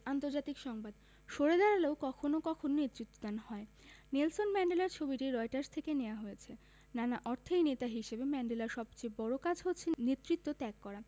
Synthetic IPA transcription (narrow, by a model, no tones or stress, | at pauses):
ant̪oɾd͡ʑat̪ikʃɔŋbad̪ | ʃoɾed̪aɽaleokɔkʰonokɔkʰononet̪ːɾit̪ːod̪anhɔe | nelsonmɛɳɖelaɾt͡ɕʰobiʈiɾɔeʈaɾst̪ʰekenejaɦojet͡ɕʰe | nanaʔɔɾt̪ʰejnet̪aɦiʃebemɛɳɖelaɾʃɔbt͡ɕejbɔɽokad͡ʑɦot̪ːt͡ɕʰenet̪ːɾit̪ːot̪ɛkːɔɾa